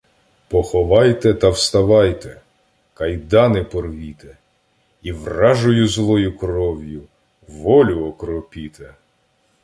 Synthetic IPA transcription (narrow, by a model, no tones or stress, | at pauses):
pɔxɔʋɑjt̪ɛt̪ɐwst̪ɐʋɑjt̪ɛ | kɐjd̪ɑnɪpɔrʋʲit̪ɛ | iʋrɑʒʊjʊzlˠɔjʊkrɔwʲjʊ | ʋɔlʲʊɔkɾɔpʲit̪ɛ